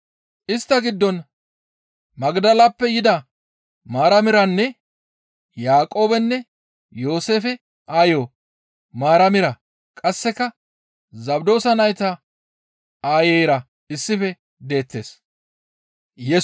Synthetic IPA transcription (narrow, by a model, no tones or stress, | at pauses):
ʔɪst̪ːɐɡɪd̪ːɔn | mɐɡd̪ɐlapːɛjɪd̪ɐ | maːɾɐmɪɾɐnːɛ | jaːkʼo̞ːbɛnːɛ | jo̞ːse̞ːfɛ | ʔaːjo | maːɾɐmɪɾɐ | kʼɐsːɛkːɐ | zɐbd̪o̞ːsɐnɐjt̪ɐ | aːjeɛjɾɐ | ɪsːɪfɛ | d̪e̞ːt̪ːe̞ːs | jɛ